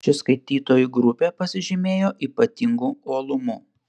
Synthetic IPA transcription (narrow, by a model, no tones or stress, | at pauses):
t͡ʃʲɪskɐɪt̪ʲiːt̪oːjuɡɾʊpʲeːpɐsʲɪʒʲɪmʲeːjoːʔiːpɐt̪ʲɪŋɡuoːlˠʊmuː